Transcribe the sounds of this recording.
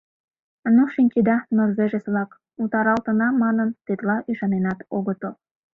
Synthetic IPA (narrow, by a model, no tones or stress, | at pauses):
nuʃinʲt͡ɕid̪ɑnorzeʒesβlɑk | ut̪ɑɾɑlt̪ənɑmɑnənt̪et̪lɑʔyʃɑnenɑt̪oɣət̪o